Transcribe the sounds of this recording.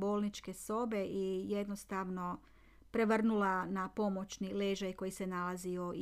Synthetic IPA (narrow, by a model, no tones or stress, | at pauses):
bo̞ːlˠnit͡ʃke̞so̞be̞ʔije̞d̪nost̪aʋno̞ | pɾe̞ʋr̩nulanapo̞mo̞t͡ʃnile̞ʒajko̞jise̞nalazio